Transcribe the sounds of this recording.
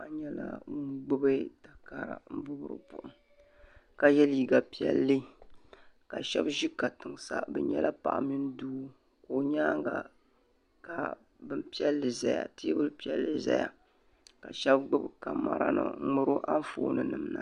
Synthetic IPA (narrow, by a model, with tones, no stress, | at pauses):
a˨˦ɲɛ˦la̰˦ŋʊ˦nɡ͡bɨ˦bɨ˦ta˨ka˨ɾa̰˨m̩˦bʊ˦bɾɨ̰˨pʊ̰˨ʔʊ˦ŋ | ka˨jɛ˦li˨ɡa˨pi˦ɛ̰˦lːɨ˦ | ka˨ʃɛ˦bʒi˦ka˨tɨ˨ŋsa˨bɛ˨ɲɛ˦lʔa˦pa̰˨ʔa˨mi˦n˦duː˦ | ko˨ɲaː˦ŋ˦ɡa˨ | ka˨ | bɨ˦m˦pi˦ɛ˦lːɨ˨za˨ja̰˨tɨ˦bɨ˦lpi˦ɛ˦lːɨ˨za˦ja˨ | ka˨ʃɛ˦bɡ͡bʊ˦bka˨ma˨ɾa˦nɨ̰˨˦ŋʊ˦ɾo˦ʔa˦ɱ˦foː˨nɨ˨nɨ˨mna˨